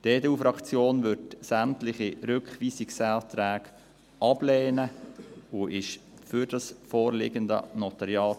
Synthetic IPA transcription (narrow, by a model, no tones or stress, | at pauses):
d̥edɛufɾɑkt͡sjoːnʋʏɾdsæmtlɪχiɾʏkχʋiːsiksælt̪ɾæːɡ | ʔɑb̥lɛːnəuʔɪʃfyɾd̥ɑsfɔːɾlɪɡəndə̰nɔt̪ɑɾjɑːt